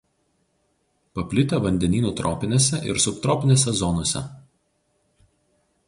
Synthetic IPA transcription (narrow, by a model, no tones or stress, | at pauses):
pɐpʲlʲɪt̪ʲɛʋɐnʲd̪ʲɛnʲiːnuːt̪ɾɔːpʲɪnʲeːsʲɛʔɪ̰ɾsʊkt̪ɾɔːpʲɪnʲeːsʲɛzɔnoːsʲɛ̰